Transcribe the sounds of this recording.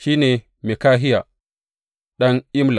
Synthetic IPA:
ʃiː˦neː˨ | mi˨kaː˦ɦɪ˦ja˨ | ɗɐ˦nʔɪ˦mla˨

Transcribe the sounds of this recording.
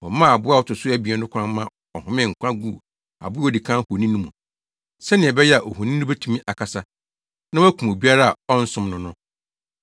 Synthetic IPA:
wɔ˨mã˦˨a˨bʊ˦a˦˨wɔ˦tʊ˨sʊ˦æ˦bi˨ɛ˨˦nʊ̃˦kʰʷã˦mmːã˦ | ɔ˨hʊ̃˦mɪ̃˦˨ŋ̩˨kʷʰã˦ɡu˦˨ | a̰˨bʊ˦ɔ˦˨di˨kʰã˦ho˨nĩ˦nũ˦mũ˨ | sɛ˦nɪ̃˨ɛ˨bɛ˦jɛ˦a˨ʔo˨ho˨nĩ˦nʊ˦bɛ˦tʰũ˦mĩ˦ʔa˨kʰa˨sa˦ | nã˦wæ˦kʰũ˨o˨bi˦a˦ɾa˦a˨ɔ˦n̩˦sʊ̃˦mnʊ̃˦nʊ̃˦

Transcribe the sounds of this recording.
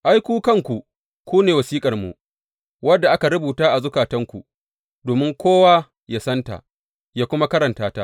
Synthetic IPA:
ʔa˦jkʷuː˦kɐ˦ŋkʷu˨ | kʷuː˦neː˨wɐ˨siː˦kʼɐ˨rmṵ˨ʔ | wɐ˦dːa˨ʔa˦ka˨ɾʊ˦buː˨taː˦ʔa˨zʊ˦kaː˨tɐ˦ŋkʷṵ˨ | doː˨mɪ˦ŋkʷoː˦waː˦ | ja˦sɐ˦nta̰˨ | jaː˦kʷʊ˦ma˦kɐ˦ɾɐ˨ntaː˦ta˦

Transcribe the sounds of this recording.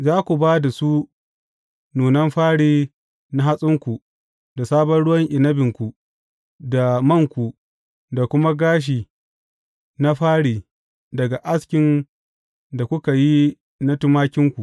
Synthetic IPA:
zaː˦kʷu˨baː˦da˨su˦ | nuː˨nɐ˦mɸaː˦ɽiː˦ | na˦ɦa˦sʼɪ˦ŋkʷu˨ | da˨saː˦bɐ˦nɽʊ˦wɐ˦ŋʔɪ˨nɐ˦bɪ˨ŋkʷu˨ | da˨mɐ˦˨ŋkʷu˨ | da˨kʷʊ˦ma˦ɡaː˦ʃ̬iː˨ | na˦ɸaː˦ɽiː˨ | dɐ˨ɡa˨ʔa˦skʲɪ˨n | da˨kʷʊ˦ka˨ji˦ | na˦tʊ˦maː˦kʲɪ˦ŋkʷu˨ʔ

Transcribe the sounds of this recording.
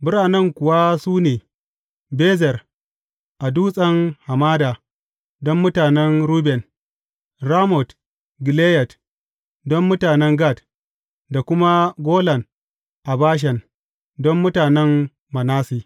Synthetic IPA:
bʊ˦ɾaː˨nɛ˦ŋkʷʊ˨wa˦suː˦neː˨ | beː˦zɛ˨r | ʔa˨duː˦sʼɐ˦ŋha˨maː˦daː˨ | dɔ˦mːʊ˦taː˨nɛ˦nɾuː˦bɛ˨n | ɾaː˦mɔ˨t | ɡɪ˨leː˦jɛ˨t | dɔ˦mːʊ˦taː˨nɛ˦ŋɡa˦˨t | da˨kʷʊ˦ma˦ɡʷoː˦lɐ˨n | ʔa˨baː˦ʃ̬ɛ˨n | dɔ˦mːʊ˦taː˨nɛ˦m | ma˨naː˦siː˦

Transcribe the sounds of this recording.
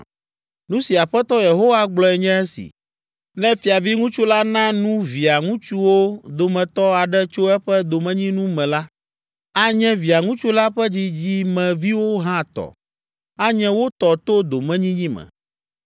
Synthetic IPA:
nũ˦si˨a˨ɸɛ˦t̪ɔ˦je˨ɦo˦wa˦ɡ͡blɔ˦ɛ˨ɲɛ̃˦ɛ˦sḭ˨ | nɛ̃˦fi˨a˨vi˦ŋũ˦t͡ʃu˦la˦nã˦nũ˦vi˨a˨ŋũ˦t͡ʃu˦wo˦d̪o˨mɛ̃˨t̪ɔ˦a˨ɖɛ˦t͡ʃo˦ɛ˦ɸɛ˦d̪o˨mɛ̃˦ɲĩ˦nũ˦mɛ̃˨la˦ | a˦ɲɛ̃˦vi˨a˨ŋũ˦t͡ʃu˦la˦ɸɛ˦d͡ʑi˦d͡ʑi˦mɛ̃˨vi˦wo˦ɦã˦˨t̪ɔ̰˨ | a˦ɲɛ̃˦wo˦t̪ɔ˨t̪o˦d̪o˨mɛ̃˦ɲĩ˦ɲĩ˦mɛ̰̃˨

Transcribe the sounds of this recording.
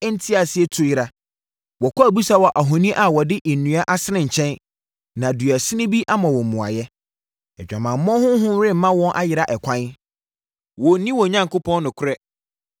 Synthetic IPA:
n̩˦tʰi˦a˨sɪ˦ɛ˦tʰʊ˦jɪ˦ɾa˨˦ | wɔ˨kʰʷa˦˨bu˦sa˦wɔ˨ʔa˨ɦɔ̃˨nĩ˦ʔa˨wɔ˨dɪ˦ʔe˨nːũ˨a˦ʔa˦sɪ˦nɪ̃˨ɲ̩˨t͡ɕʰɛ̃˦n | nã˨dɥæ˨sɪ̃˦nɪ̃˦bi˦ʔa˦mã˨wɔ˨mũ˨a̰˨jɛ˦ | ɛ˨d͡ʑᶣã˨mã˨m̩˨˦mɔ̃˦hʊ̃˦ɦʊ̃˦ɾɪ̃˦m̩˨mã˦wɔ̃˦nʔa̰˦jɪ˨ɾa˦ʔɛ˨kʷʰã˦n˦ | wɔ˨˦nĩ˦wɔ˨ɲã˨ŋkʊ˦pʰɔ̃˦nː˦ʊ̃˨kʰʊ˦ɾɛ˦

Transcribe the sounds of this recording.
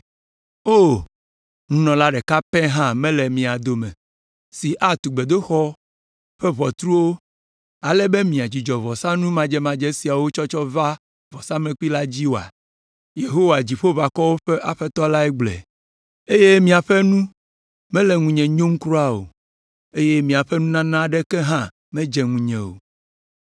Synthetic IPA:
o˦˨ | ŋũ˦nɔ̃˨la˦ɖɛ˨ka˦pɛ˦ɦã˦mɛ̃˦lɛ˨mĩ˨a˨d̪o˨mɛ̰̃˨ | si˨ʔa˦t̪u˨ɡ͡be˨d̪o˦xɔ˦ | ɸɛ˦βɔ˨t̪ɾu˦wo˦ | a˨lɛ˦be˦mĩ˨a˨d͡ʑi˨d͡ʒɔ˨vɔ˨sã˦nũ˦mã˨d͡ʒɛ˦mã˨d͡ʒɛ˦si˨a˨wo˦t͡ʃɔ˦t͡ʃɔ˦va˦ | vɔ˨sã˦mɛ̃˨k͡pi˦la˦d͡ʑi˦wo˨a̰˨ | je˨ɦo˦wa˨d͡ʑi˨ɸo˦va˨kɔ˦wo˦ɸɛ˦ʔa˨ɸɛ˦t̪ɔ˦la˦ɛ˦ɡ͡blɛ̰˨ | e˦je˦mĩ˨a˨ɸɛ˦nũ˦ | mɛ̃˦lɛ˨ŋũ˨ɲɛ̃˨ɲõ˦m˦kɾo˦a˦o̰˨ | e˦je˦mĩ˨a˨ɸɛ˦nũ˦nã˦nã˦ɖɛ˦kɛ˦ɦã˦ | mɛ̃˦d͡ʒɛ˨ŋũ˨ɲɛ̃˨wo̰˨

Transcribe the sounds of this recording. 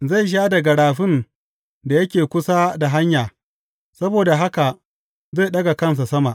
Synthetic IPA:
za˦˨jʃ̬aː˦dɐ˨ɡa˨ɽaː˨ɸɪ˦n | da˨jɐ˦kʲeː˨kʷʊ˦sa˦da˨ɦa˦ɲjaː˨ | sɐ˦boː˨da˨ɦa˦ka˨ | ze˦˨ɗɐ˦ɡa˨kɐ˦ns̬a˨sɐ˦ma˨ʔ

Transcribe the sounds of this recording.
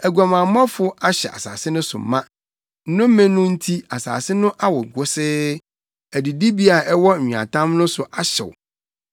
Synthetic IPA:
æ˨ɡu˨a˨mã˨˦m˦ɔ̃˦fʊ˦ʔa˦ɕɛ̰˨ʔa̰˨sa̰ː˨sɪ˦nʊ̃˦sʊ̰˨m˨mã˦ | n̩˦nʊ̃˦m˦mːẽ˦nʊ̃˦n̩˦tʰi˦a˨sa̰ː˨sɪ˦nʊ̃˦ʔa˦wɔ˨ɡʊ˦sɪ˦ | æ˨di˨di˦bi˦a˨ʔɛ˦wɔ˦˨ɲᶣĩ˨ã̰˨tʰã˦mnʊ̃˦sʊ˨ʔa˨ɕɛ̰˨w̰

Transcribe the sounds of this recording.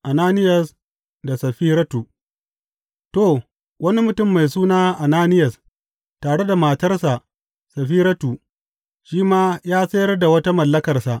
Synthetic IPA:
ʔa˨naː˦nɪ˦jɐ˨s | da˨sɐ˨ɸiː˦ɾɐ˦tuː˨ | to˨ | wɐ˦ni˦mʊ˦tʊ˦˨mːa˨jsuː˦naː˦ʔa˨naː˦nɪ˦jɐ˨s | taː˨ɽe˦da˨maː˨tɐ˦rsa˨ʔ | sɐ˨ɸiː˦ɾɐ˦tuː˨ | ʃiː˦maː˦jaː˦sɐ˦jɐ˦rda˨wɐ˦ta˦mɐ˨lːɐ˦kɐ˨rsa˨ʔ

